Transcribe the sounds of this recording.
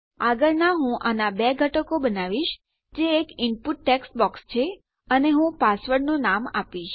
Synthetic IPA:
aɡəɭnaɦũʔanabeɡʱəʈəkobənaʋiʃ | d͡ʒeːkɪmpuʈːeksbɔkst͡ʃʰe | əneɦũpasʋəɾɖnonama̰piʃ

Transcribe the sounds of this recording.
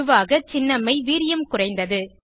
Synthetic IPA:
ɯʋaːɣɐt͡ʃɪnːɐmɐɪʋiːɾɪjɐmkʊrɐɪnd̪ɐðɯ

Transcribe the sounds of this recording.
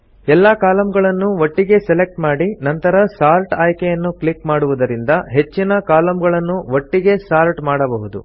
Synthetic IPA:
ɛlːakaːlɐmɡɐɭɐnːuʋoʈːiɡe̞sɛlek̚ʈmaːɽinɐnt̪ɐɾɐsaːɾʈaːjkejɐnːukɭikmaːɽuʋud̪ɐɾind̪ɐɦe̞t͡ʃːinɐkaːlɐmɡɐɭɐnːuʋoʈːiɡe̞saːɾʈmaːɽɐbɐɦud̪ṵ

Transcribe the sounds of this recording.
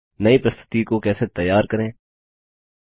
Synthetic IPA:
nɐipɾɐst̪ʰɪ̥t̪ikokɛːset̪ɐjːaːɾkɐɾẽː

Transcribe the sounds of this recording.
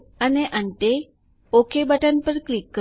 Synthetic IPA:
əneʔə̃ɳʈe | okʰebaʈanpəɾklikːə

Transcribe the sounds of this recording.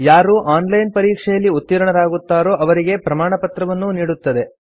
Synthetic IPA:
jaːɾuːʔaːnlɐjnpɐɾiːkʂɛjɐlːiut̪ːiɾɐɳɐɾaːɡut̪ːaːɾoːʔɐʋɐɾiɡe̞pɾɐmaːɳɐpɐt̪ɾɐʋɐnːuniːɽut̪ːɐd̪e̞

